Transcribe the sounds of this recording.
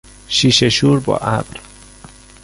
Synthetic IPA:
ʃiʃeʃuɾbɔ̰ʔabɾ

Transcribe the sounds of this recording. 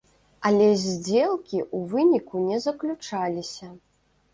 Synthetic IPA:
ɐlʲɛzʲd͡zʲelˠkʲiʔuvɨnʲikunʲɛzɐklʲut͡ʂalʲisʲɐ

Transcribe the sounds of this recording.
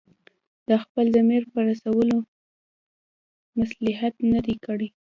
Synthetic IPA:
d̪̥əxpəld̪əmeɾpəɾasawəlo | maslɪɦat̪nad̪ikəɽi

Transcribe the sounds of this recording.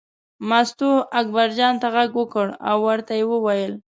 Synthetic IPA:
mast̪uakbaɾd͡ʒɑnt̪aɣaɡwəkəɽa̰wːaɾt̪ajewəwajəl

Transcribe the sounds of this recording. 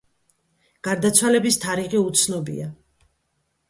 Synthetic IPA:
ɡ̥aɾd̪at̪sʰwalɛbist̪ʰaɾiʁiut̪sʰnɔbḭa

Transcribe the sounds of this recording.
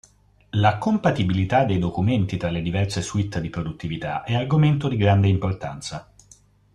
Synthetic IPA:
lakompat̪ibilit̪ad̪ːejd̪okument̪it̪ɾalːed̪ivɛrseswit̪ːd̪ipɾod̪ut̪ːivit̪a̰ʔɛarɡoment̪od̪iɡɾand̪eimport̪ant̪sa

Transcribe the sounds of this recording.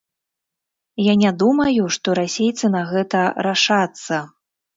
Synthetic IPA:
janʲad̪umɐjuʂt̪ɔɾasʲejt̪sɨnɐɣɛt̪ɐɾaʂat̪sːɐ

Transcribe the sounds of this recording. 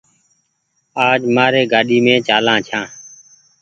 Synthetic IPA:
aːd͡ʒmaːɾeːɡaːɗiːmẽːt͡ʃaːlãːt͡ʃʰãː

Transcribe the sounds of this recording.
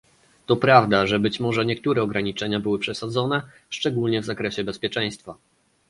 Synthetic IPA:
t̪ɔpɾavd̪aʐɛbɘt͡ɕmɔʐɛɲɛk̚t̪uɾɛɔɡɾaɲit͡ʂɛɲabɘwɘpʂɛsad̪zɔnɛ | ʂt͡ʂɛɡulɲɛvzakɾɛɕɛbɛspʲjɛt͡ʂɛ̃j̃st̪fa

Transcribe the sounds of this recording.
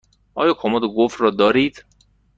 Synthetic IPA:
ʔɒːjɒːkʰomod̪oɡofrɒːd̪ɒːɾiːd̪̥

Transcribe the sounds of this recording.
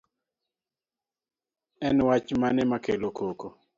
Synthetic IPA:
ɛnwat͡ʃmanɛmakelokoko

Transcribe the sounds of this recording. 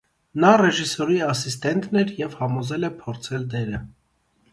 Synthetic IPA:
nɑrɛʒisɔɾiɑsist̪ɛnt̪ʰnɛɾjɛvhɑmɔzɛlɛpʰɔɾt͡sʰɛld̪ɛɾə

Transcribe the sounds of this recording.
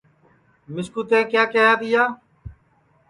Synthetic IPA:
mɪskuːt̪ẽːkjaːkjeːaːt̪ɪjaː

